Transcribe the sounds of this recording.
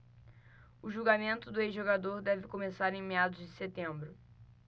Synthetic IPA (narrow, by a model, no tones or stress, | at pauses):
ʊʒuɡamẽnt̪ʊd̪ʊezʒoɡad̪oɾd̪ɛvɪkomesaɾẽj̃mead̪ʊzd͡ʒɪset̪ẽmbɾʊ